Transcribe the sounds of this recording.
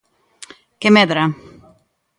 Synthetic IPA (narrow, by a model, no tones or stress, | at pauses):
kemeðɾa